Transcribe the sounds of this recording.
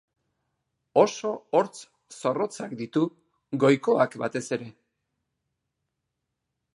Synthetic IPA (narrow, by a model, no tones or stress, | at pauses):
o̞so̞oɾt͡s | so̞ro̞t͡sakd̪it̪u | ɡo̞jko̞akbat̪e̞se̞ɾe̞